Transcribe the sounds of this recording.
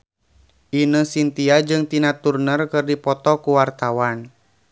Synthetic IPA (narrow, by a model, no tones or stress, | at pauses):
ʔinəsint̪iad͡ʒɨŋt̪inat̪urnərkɨrdipɔt̪ɔkuwart̪awan